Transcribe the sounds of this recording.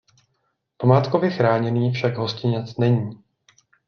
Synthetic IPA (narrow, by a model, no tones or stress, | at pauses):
pamaːt̪kovjɛxɾaːɲɛniːfʃaɡɦo̞scɪɲɛt͡snɛɲiː